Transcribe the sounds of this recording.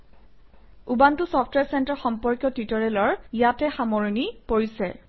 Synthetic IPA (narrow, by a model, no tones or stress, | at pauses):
ubantʊsɔpʰtwɛɹsɛntaɹxɔmpɔɹkjɔtitɔɹɛlɔɹjatɛxamoɹinipoɹisɛ